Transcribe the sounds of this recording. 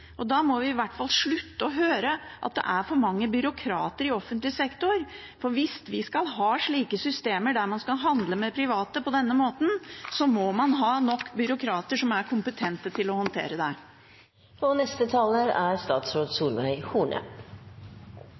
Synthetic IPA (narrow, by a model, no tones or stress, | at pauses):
ʔɔd̪ɑːmɔʋɪɪʋæʈːfɑlʂɭʉt̪ːəɔɦøːɾəʔɑt̪̚d̪ɛ̰ʔæɾfɔɾmɑŋːəbʏɾʊkʰɾɑ̰ːt̪əɾɪɔfənt̪lɪsɛkt̪ʊɾ | fɔɾʋɪst̪ʋɪskɑlɦɑːʂɭiːkəsʏst̪eːməɖæɾmɑnskɑlɦɑnd̪ləmɛpʰɾɪʋɑːt̪əpʰɔd̪ɛnːəmoːt̪n̩sɔmɔmɑnɦɑːnɔkːbʏɾʊkʰɾɑːt̪əʂɔmæɾkʰʊmpət̪ʰɛnt̪ət̪ʰɪlɔhɑnt̪ʰḛːɾəd̪æ | ɔnɛst̪ət̪ʰɑːləɾæɾst̪ɑːt̪sɾoːd̪suːlʋæɪhuːɳə̰